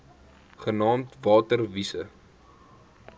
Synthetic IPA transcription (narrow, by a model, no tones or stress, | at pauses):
χənɑːmtvɑːtərvisə̰